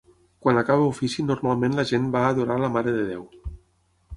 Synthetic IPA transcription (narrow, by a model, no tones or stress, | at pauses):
kwanakaβeufisinuɾmalˠmẽnləʒenbaːðuɾaləmaɾeðeðḛw